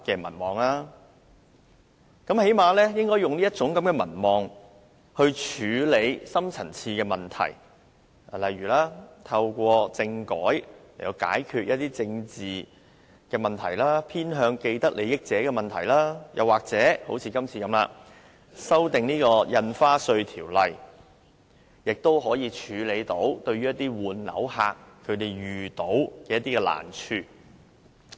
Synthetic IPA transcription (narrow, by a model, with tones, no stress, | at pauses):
kɛː˧mɐ̰˨˩nmɔː˨ŋlaː˥ | kɐ˨˥mhe˨˥jmaː˧lɛː˥jɪ˥ŋkɔː˥jʊ˨ŋliː˥jɐ˥t̚t͡sʊ˨˥ŋkɐ˨˦mkɛː˧mɐ̰˨˩nmɔː˨˩ŋ | hɵ˧ɥt͡ʃʰyː˨˧le˨˧jsɐ˥mt͡sʰɐ˨˩nt͡sʰiː˧kɛː˧mɐ˨˩nt̪ʰɐ̰˨˩j | lɐ˨jɥyː˨˩laː˥t̪ʰɐ˧wkʷɔː˧t͡sɪ˧ŋkɔː˨˥jle˨˩jtɐ˧wka̰ː˨˥jkʰyː˧t̚jʔɐ˥t̚t̪iː˥t͡sɪ˧ŋt͡siː˨ | kɛː˧mɐ˨˩nt̪ʰɐ̰˨˩jlaː˥pʰiː˥nɦœː˨˧ŋke˧jt̪ɐ˥k̚le˨˧jɪ˥k̚t͡sɛː˨˥kɛː˧mɐ˨nt̪ʰɐ˨˩jlaː˥jɐ̰˨waː˨k̚t͡sɛː˨˥ho˨˥wt͡sʰiː˧kɐ˥mt͡sʰiː˧kɐ˨˥mla̰ː˧ | sɐ˥wt̪ɪ˨ŋniː˥kɔː˧jɐ˧nfaː˥sɵ˧ɥt̪ʰiː˨˩wlɐ˨j | jɪ˨k̚t̪o˥wɦɔː˨˥jiː˨˧t͡ʃʰyː˨˧le˨˧jt̪o˨˥wt̪ɵ˧ɥyː˥jɐ˥t̪̚iː˥wuː˨nlɐ̰˨˧˥wha̰ː˧kʰːɵ˨˧ɥt̪e˨jɥyː˨˩t̪o˨˥wkɛː˧jɐ˥t̪̚ːiː˥kɛː˧la̰ː˨˩nt͡ʃʰyː˧